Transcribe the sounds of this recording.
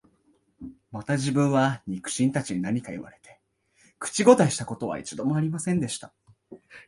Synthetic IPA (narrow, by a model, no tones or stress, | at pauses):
mat̪aʑibɯ̟̃ɰ̃βaɲ̟ikɯ̟̥ɕĩnt̪at͡ɕiɲ̟inaɲ̟ikaḭβa̰ɾe̞t̪e̞ | kɯ̟̥t͡ɕiɡo̞t̪aiɕi̥t̪ako̞t̪o̞βa̰ḭt͡ɕid̪o̞mo̞aɾʲimasẽ̞nd̪e̞ɕi̥t̪a